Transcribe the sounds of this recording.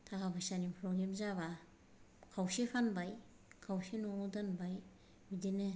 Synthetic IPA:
tʰakabʰasanipʰɾoɡɾemzaba | kʰawsepʰanbaj | kʰawsenɔŋdanbaj | bidenɯ

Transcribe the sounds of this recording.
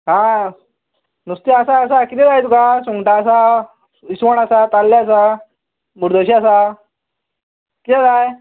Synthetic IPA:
ɦã | nust̪iasaːsakit̪ɛ̃d͡zajt̪ukasuŋʈaːsa | isʋəɳasat̪alːeas̬a | muɾd̪oɕiasa | kit̪ɛd͡zaj

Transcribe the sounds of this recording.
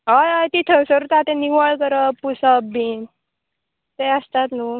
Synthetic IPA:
ajajt̪it̪ʰəsəɾut̪at̪ẽniʋəɭkəɾəpusabin | t̪eəst̪at̪nu

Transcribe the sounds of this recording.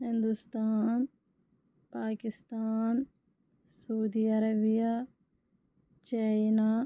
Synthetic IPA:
ɦɪnd̪ʊst̪aːn | paːkɪst̪aːn | soːd̪iːəɾəbɪjaː | t͡ʃaːinaː

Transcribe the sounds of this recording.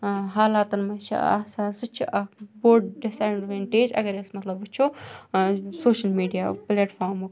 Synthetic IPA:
ɦaːlaːt̪ɐnmɐt͡ʃʰḭa̰saːsɨt͡ʃʰḭʔɐkboːɾɖɖisaːjɳɖʋeːɳʈeːd͡ʒɐ̰ɡɐɾesmɐt̪lɐbɨt͡ʃʰu | soːʃɐlmiːɖija̰ːpleːʈfʰaːɾmuk

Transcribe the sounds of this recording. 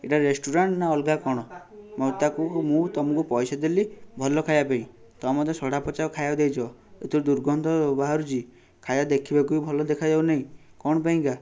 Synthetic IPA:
eʈaɾesʈuɾaɳʈnaɔlɡakɔɽ̃ɔ | mɔwt̪akumũt̪ɔmũŋkupɔjsad̪elibʱɔlɔkʰajapaĩ | t̪ɔmɔt̪esɔɽapɔt͡ʃaɔkʰajad̪ejt͡ʃʰɔ | et̪ʰiɾd̪uɾɡɔnd̪ʱɔbaɦaɾut͡ʃi | kʰajad̪ekʰibakuibʱɔlɔd̪ekʰad͡ʒanaɦĩkɔɽ̃ɔpaĩŋka

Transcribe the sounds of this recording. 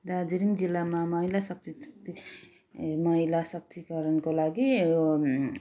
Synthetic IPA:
d̪ad͡ziɾiŋd͡zilːamamʌilasʌk̚t̪it̪i | mʌɦilasʌk̚t̪ʰikʌɾʌnkolaɡi

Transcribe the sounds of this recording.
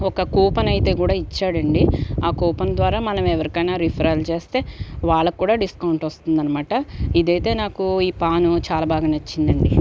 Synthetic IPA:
ɔkɐkuːpɐnɐjt̪e̞ːkuːɽaːit͡ʃːaːɽɐɳɖiaːkuːpɐnd̪ʋaːɾaːmɐnɐmɛʋɐɾikɐjnaːɾipʰɾɐjlt͡ʃe̞ːst̪e̞ːʋaːɭːɐkːuːɽaːɖiskɐwuɳʈʋɐst̪und̪ɐnːɐmaːʈɐid̪ɐjt̪e̞ːnaːkuiːpaːnut͡ʃaːlaːbʱaːɡaːnɐt͡ʃːind̪ɐɳɖi

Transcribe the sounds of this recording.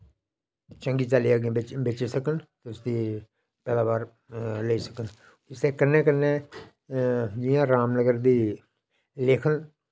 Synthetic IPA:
t͡ʃə̃ŋɡiːt͡ʃaːliaːɡẽːɪbeːt͡ʃisəkənt̪eʊsd̪iː | pɛːlãːbaːɾ | leiːsə̥kən | ɪst̪eːkənːẽːk̬ənːeː | d͡ʒɪjãːɾaːmnəɡəɾd̪iː | leːkʰən

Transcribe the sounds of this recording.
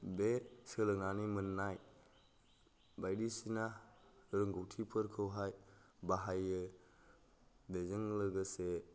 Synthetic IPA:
besəlɯŋanimɯnːaj | bajdisinaɾɯŋɡowtʰipʰɯɾkʰɯwɦajbaɦajɯ | bezɯŋlɯɡɯse

